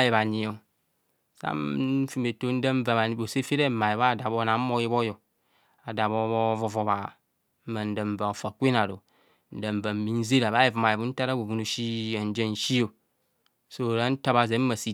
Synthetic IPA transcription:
je˨βa˨ɲi˨o˨ | sa̰˦fi˨me˨to˦n̩˦də˦ɱ˦va˨βa˨˦bo˨se˦fe˦ɾe˦˨ma˨ji˨βa˦˨da˨bo˦na˨˦mo˦ji˦bo˦jo˨ | a˨da˨βo˦βo˦vo˨vo˨βa˨˦ | ma˨n̩˦də˨ɱ̩˨va˨o˨fa˨kʷe˦na˨ɾo˨ | n̩˨da˨ɱ˨va˨m̩˨mi˨n̩˦ze˦ɾa˨βa˦ji˨vu˨ma˨ji˨bu˦n̩˦ta˦ɾa˦ɡu˨vu˨nu˨ʃi˦a˨n̩˦d͡ʒe˦n̩˨ʃi˦o˨ | so˦˨ɾa˦n̩˦ta˦βa˨ze˨˦m̩˦ma˨si˨

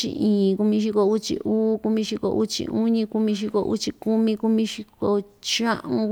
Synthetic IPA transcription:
ḭ˧ĩː˨ku˧mĩ˧ʃ̬i˧ko˧u˦t͡ʃḭ˧ʔuː˦ku˧mĩ˧ʃi˧ko̰˧ʔu˦t͡ʃḭ˧u˦ɲĩ˧ku˧mĩ˧ʃ̬i˧ko̰˧ʔṵ˦t͡ʃi˧ku˦mĩ˧ku˧mĩ˧ʃi˧ko˧t͡ʃã˦ʔũ˧

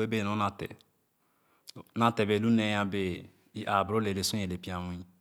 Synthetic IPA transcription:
e˦be˦˨o˨˦na˨tɛ̰˨ | na˦te˨be˨lu˦ne˦jã˦be˦ | i˦ʔa˨bɾo˦le˨le˨sũ˦e˨le˨pi˨˦ã˨wũ˦

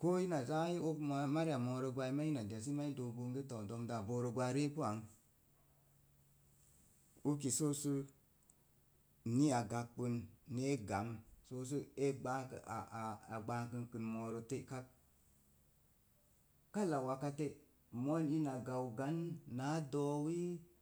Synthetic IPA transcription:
ko˦i˦na˨za˦ji˦o˦kma˦ɾi˦a˨mo˨ɾo˧ɡʷa˧i˦ma˦i˦na˨da˨s̬i˦ma˦i˦do˨ɡu˧ŋɡe˦to˨do˨mda˨bo˨ɾo˨ɡʷa˧ɾe˦ku˦a˨ŋ | u˦k̬i˨so˦su˦ | ni˦a˨ɡa˨kk͡pɨ˧nːe˦ɡa˨m˨so˦s̬u˦e˦ɡ͡ba˦kə̰˨a˨a˨ɡ͡ba˦kɨ˧nkɨ˨nmo˨ɾo˧te˦ka˦k̚ | ka˦la˨wa˨ka˧te˦ | mo˦ni˦na˨ɡa˨wɡa˨˦nːa˨˦do˦wi˦

